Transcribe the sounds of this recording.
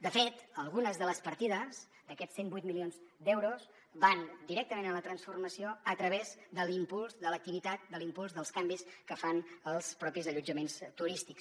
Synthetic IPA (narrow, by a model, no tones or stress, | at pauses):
d̪əfet̪əlˠɣunəzðələspəɾt̪iðəz | d̪əkɛsembujt̪milionzd̪ɛwɾus | band̪iɾɛk̚t̪əmẽnələt̪ɾənsfurməsioət̪ɾəβezd̪əlimpulˠzðələk̚t̪iβit̪at̪̚d̪əlimpulˠzðəlˠskambiskəfanəlˠspɾɔpizəʎud͡ʒəmenst̪uɾist̪iks